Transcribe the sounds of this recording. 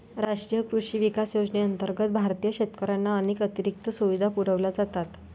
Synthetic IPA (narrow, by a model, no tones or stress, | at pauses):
ɾaʂʈɾijəkɾuʂiːʋikasjod͡zneənt̪əɾɡət̪̚bʱaɾt̪ijəɕet̪kəɾanːaəneːkət̪iɾik̚t̪əsuʋid̪ʱapuɾəʋlad͡zat̪at̪